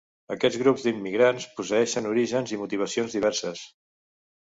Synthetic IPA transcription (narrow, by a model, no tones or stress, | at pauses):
əkɛd͡zɣɾubzd̪imːiɣɾanspus̬əɛʃənuɾiʒənzimut̪iβ̞əsionzðiβ̞ɛɾsəs